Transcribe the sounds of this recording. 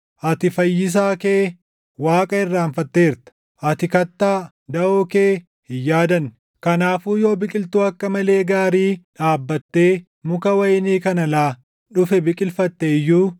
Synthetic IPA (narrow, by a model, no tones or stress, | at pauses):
ʔɐt̪ɪfɐjːɪs̬aːkeː | waːkʼɐɪrːaːɱfɐt̪ːeːɪɾt̪ɐ̥ | ʔɐt̪ɪkɐt̪ːaː | d̪ɐoːke̞ː | hɪjːaːd̪ɐn | kɐnaːfuːjo̞ːbɪkʼɪlt̪uːɐkːɐmɐle̞ːɡaːɾiːᶑaːbːɐt̪ːeː | mʊkɐwɐjniːkɐnɐlaː | ᶑʊfɛbɪkʼɪlfɐt̪ːeɪjːuː